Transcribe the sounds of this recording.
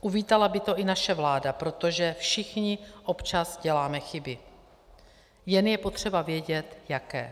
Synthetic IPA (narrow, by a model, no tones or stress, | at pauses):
ʔuviːt̪alabɪt̪o̞ʔɪnaʃɛvlaːdapɾo̞t̪o̞ʒɛfʃɪxɲɪʔopt͡ʃazɟɛlaːmɛxɪbɪ | jɛnjɛpo̞t̪r̝̥ɛbavjɛɟɛt̪jakɛ̰ː